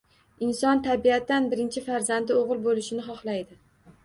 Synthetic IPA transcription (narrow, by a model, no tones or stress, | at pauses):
ɪnsɒnt̪ʰabiat̪ːanbɪɾɪnt͡ʃʰɪfaɾzand̪ɪoʁɨlˠbolɪʃɪnɪχɒχlˠajd̪ɪ